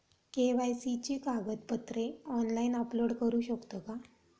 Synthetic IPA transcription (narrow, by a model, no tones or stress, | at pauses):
keʋajsit͡ɕikaɡət̪̚pət̪ɾeɔnlainəploɽkəɾuːɕəkt̪əka